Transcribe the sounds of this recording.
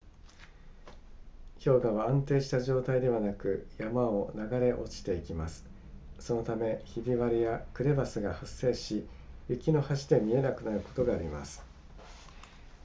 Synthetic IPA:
çʲo̞ːɡaβaãnt̪e̞ːɕi̥t̪aʑo̞ːt̪aid̪e̞βanakɯ̟jamao̞naɡaɾe̞ʔo̞̰t͡ɕi̥t̪e̞ikʲimasɨ̥ | so̞no̞t̪ame̞çibʲiβaɾʲijakɯ̟ɾe̞basɨɡahasːe̞ːɕi | jɯ̟kʲino̞haɕi̥t̪e̞mʲie̞nakɯ̟naɾɯ̟ko̞̥t̪o̞ɡaːɾʲima̰sɨ̥

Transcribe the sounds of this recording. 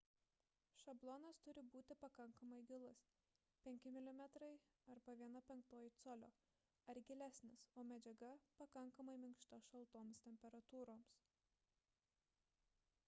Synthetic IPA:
ʃɐblˠɔnɐst̪ʊɾʲɪbuːt̪ʲɪpɐkɐŋkɐmɐɪɡʲɪlˠʊs | pʲɛŋʲkʲɪmʲɪlʲɪmʲɛt̪ɾɐɪ | ɐɾbɐʋʲiɛnɐpʲɛŋkt̪oːjɪt̪soːlʲo̰ː | ɐɾɡʲɪlʲæsʲnʲɪsoːmʲɛd͡ʒʲɛɡɐpɐkɐŋkɐmɐɪmʲɪŋkʃt̪ɐʃɐlˠt̪oːmst̪ʲɛmʲpʲɛɾɐt̪uːɾoːms

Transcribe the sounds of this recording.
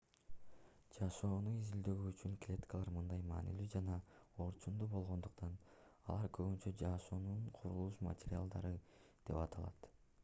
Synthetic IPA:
d͡ʒɑʃo̞ːnuizild̪ø̞ɡyːt͡ʃyŋklʲet̪ʲkəlˠɑɾmɯnd̪ɑjmɑ̰ːnḭlyd͡ʒɑnɑo̞ɾt͡ʃund̪uːbo̞lˠʁo̞nd̪uqt̪ʰɑnɑlˠɑɾkʰø̞ɡynt͡ʃød͡ʒɑʃo̞ːnuɴqʰuɾulˠuʃma̰tʲeɾʲɪa̰lˠd̪ɑ̰ɾɯd̪̥e̞̰pɑt̪ɑlˠɑ̰t̪

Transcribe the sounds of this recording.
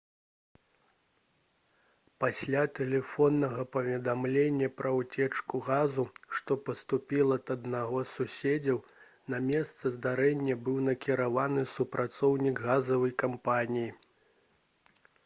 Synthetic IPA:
pasʲlʲat̪ɛlʲɛfɔnːɐɣɐpɐvʲɛd̪amlʲenʲːɐpɾɐwt͡sʲɛt͡ʂkuɣazuʂt̪ɔpɐst̪upʲilˠɐt̪ɐd̪naɣɔsusʲed͡zʲɐw | nɐmʲɛst̪sɐzd̪aɾɛnʲːɐbɨwnɐkʲiɾavanɨsupɾʔat̪sɔwnʲiɡɣazɐvɐjkampanʲiji

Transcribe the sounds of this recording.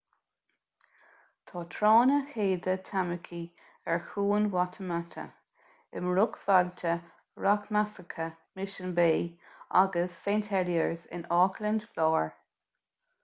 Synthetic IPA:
t̪ʰɑːt̪ʰɹɑːnəheːd̪ət̪ʰaməkʰi | ɛɹxuːnwat̪ʰəmatʰə̰ | ɪmɹʊɡfaltʰə | ɹakmasəkʰə | mɪʃənbeːʔa̰ɡəsːentʰɛljəɹzɪ̰nɔkləndflɔːɹ

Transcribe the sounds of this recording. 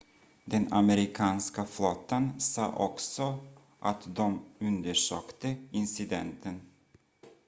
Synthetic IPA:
d̪ɛna̰mɛɾɪkʰɑːnskaflot̪ːansɑ̰ːʔɔksɔ | ʔat̪d̪ɔmɵnd̪əʂøːkt̪əɪnsɪd̪ɛnt̪ʰən

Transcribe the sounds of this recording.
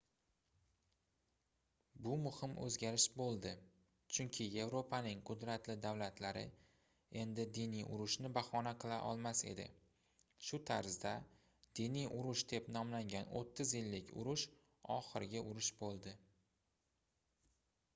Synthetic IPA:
bʊmʊhɪmʔɵ̰zɡʲaɾɪʃbolˠd̪ɪ | t͡ʃʰʊŋkʲʰɪje̞vɾo̞pʰanɪŋqʰʊd̪ɾat̪ʰlɪd̪avlat̪ʰlaɾɪ̰ | e̞nd̪ɪd̪inijʔʊ̰ɾʊʃnɪbaχɒnaqʰɨlˠa̰ʔɒ̰lˠmase̞̰d̪ɪ̰ | ʃʊt̪ʰaɾzd̪a | d̪̥inijʔʊɾʊʃd̪e̞pnɒmlaŋɡʲano̰t̪ʰːɪzjɪlːɪkʲʰʊ̰ɾʊʃ | ɒ̰χɨɾɪɡʲaʔʊɾʊʃbolˠd̪ɪ

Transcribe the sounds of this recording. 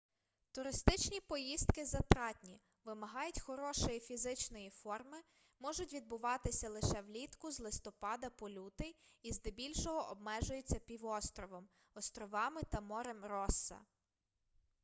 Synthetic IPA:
t̪ʊɾɪst̪ɪt͡ʃnʲipɔjist̪kɪzɐt̪ɾɑtʲnʲi | ʋɪmɐɦɑjʊtʲxɔɾɔʃɔjifʲizɪt͡ʃnɔjifɔrmɪ | mɔʒʊtʲʋʲid̪̚bʊʋɑt̪ɪsʲɐlˠɪʃɛwlʲit̪kʊzlˠɪst̪ɔpɑd̪ɐpɔlʲut̪ɪjizd̪ebʲilʲʃɔɦɔʔɔbmɛʒʊjet͡sʲːɐpʲiʋɔst̪ɾɔʋɔm | ɔst̪ɾɔʋɑmɪt̪ɐmɔɾemrɔsːɐ̰

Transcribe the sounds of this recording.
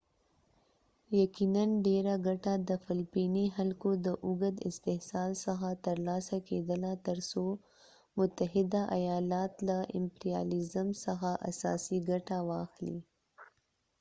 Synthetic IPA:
jakinanɖeɾaɡaʈad̪əfɪlpiniɦalkod̪əʔʊɡəd̪ɪst̪ɪhsɑlsəxat̪əɾlɑsaked̪əlat̪əɾso | mʊt̪aɦɪd̪aʔajɑlɑt̪laʔɪmpɾijɑ̰lɪzəmsəxaʔa̰sɑ̰siɡaʈawɑxlḭ

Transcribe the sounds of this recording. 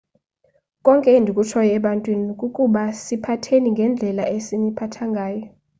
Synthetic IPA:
kʼɔŋkʼɛndʱikʼut͡ʃʰɔjɛɛɓantʼwinikʼukʼuɓasipʰatʰeniŋɡʱɛnd͡ɮʱɛlaesinipʰatʰaŋɡʱaːjɔ

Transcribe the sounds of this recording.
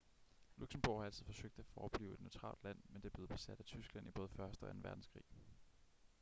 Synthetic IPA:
luɡ̥smb̥o̰hɑ̈æl̰t͡sʰið̩ˠfɒ̽søɡ̥̚d̥æfɒːb̥lḭːʊed̥neʊt͡sʰʁɑ̰̈ːld̥læn̰mend̥eb̥le̝ð̩ˠb̥e̝sæd̥æt͡sʰysɡ̥læn̰ib̥ɔ̽ːð̞̩ˠəfɶɐsd̥əɒæn̩ʋæɐd̥n̩skʰʁḭː

